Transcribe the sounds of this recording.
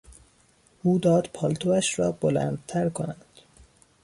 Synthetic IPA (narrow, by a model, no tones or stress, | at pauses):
ʔuːd̪ɒːd̪pʰɒːlt̪ʰoæʃɾɒːb̥olæ̰ːnd̪̚t̪ʰæɾkʰonænd̪̥